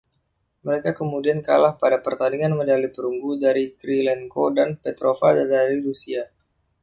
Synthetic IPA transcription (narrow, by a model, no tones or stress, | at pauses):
məɾekakəmudianka̰lahpadapərt̪andiŋanmədalipəɾuŋɡudaɾikɾilɛŋkodanpɛt̪ɾofaddaɾiɾusia